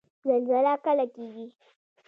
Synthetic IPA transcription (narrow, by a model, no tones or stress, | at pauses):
zɐlzɐlaːkɐlatʲibi